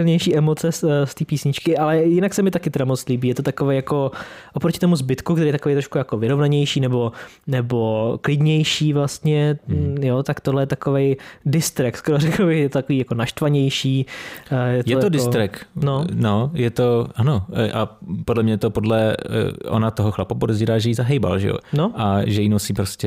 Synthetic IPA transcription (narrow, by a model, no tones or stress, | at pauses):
ɪlɲɛjʃiːʔɛmo̞t͡sɛsst̪iːpiːsɲɪt͡ʃkɪʔalɛjɪnaksɛmɪt̪akɪt̪ɛɾamot͡st̪liːbiːjɛt̪o̞t̪akovejako̞ʔopɾocɪ̥t̪omuzbɪt̪kukt̪ɛɾijɛt̪akovejt̪ɾoʃkujakovɪɾo̞vnaɲɛjʃiːnɛbo̞ | nɛbo̞klɪdɲɛjʃiːvlast̪ɲɛjot̪akt̪oɦlɛjɛt̪akovejdɪst̪ɾɪk̚t̪skoɾoɾɛkl̩bɪxjɛt̪ot̪akoviːjako̞naʃt̪vaɲɛjʃiː | jɛtj̪ɛj̪odɪst̪ɾɛknonojɛt̪o̞ʔano̞ʔapodlɛmɲɛt̪o̞podlɛ̰ʔo̰nat̪oɦoxlapopodɛziːɾaːʒɛjizaɦɛjba̰lʒɛ̰jo̰noʔaʒɛjinosipɾoscɛ